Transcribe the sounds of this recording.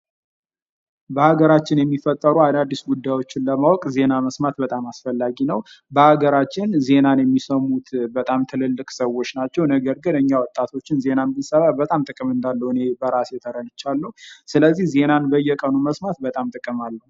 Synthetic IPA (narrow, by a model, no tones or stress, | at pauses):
bəhaɡəɾat͡ʃːɪnjɛmːifət̪ʼːəɾuad̪ad̪ːisɡud̪ːajwo̞t͡ʃːɪnləmawɔkʼze̞naməsmat̪bət̪ʼamasfəlːaɡinəw | bəhaɡəɾat͡ʃːɪnze̞nanjɛmːisəmut̪bət̪ʼamt̪ʰɨlɨlːɨkʼsəwːo̞t͡ʃːnat͡ʃːɛwnəɡəɾɡɨnɨɲːawɔt̪ʼːat̪ʰo̞t͡ʃːɪnze̞nanb̪ɨnsəβabət̪ʼamt̪ʼɨkʼɨmɨnd̪alːəhɨne̞bəɾasjɛt̪ʰəɾənɨt͡ʃːalːuusɨləzːihze̞nanbəjɛkʼənuməsmat̪̚bət̪ʼamt̪ʼɨkʼɨmalːəhu